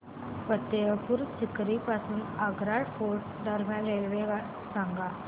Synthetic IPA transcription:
pət̪ːeəpuɾt͡ɕikɾipasuːnaɡɾaɽfoɾʈ | ɖəɾmjalɾelʋeɡaʈ | saŋɡa

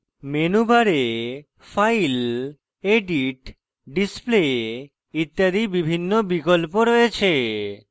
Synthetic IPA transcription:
menubaɾe | fajl | eɖiʈ | ɖisple | it̪ːad̪ibibʱinːobikolpoɾɔjet͡ɕʰe

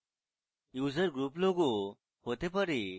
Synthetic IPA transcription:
juːzəɾɡɾuːploːɡo | hoːt̪epəɾi

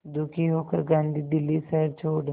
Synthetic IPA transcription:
d̪ʊkʰiɦoːkəɾɡãːnd̪iːd̪ɪlːisɐɾt͡ʃʰoːɖ

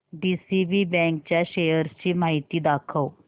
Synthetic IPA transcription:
ɖiːsiːbiːbɛ̃ːŋk̚t͡ɕaʃeːjəɾst͡ɕiːmaːɦit̪iːd̪aːkʰəo

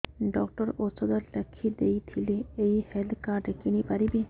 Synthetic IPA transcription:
ɖɔkʈɔɾosɔd̪aɾlɛkʰːid̪ejt̪ʰileejheld̪kaɾɖkinipaɾibe

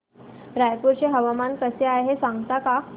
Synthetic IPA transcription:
ɾajkuɾɕeɦəʋamankəseaeɦesaŋɡt̪aka

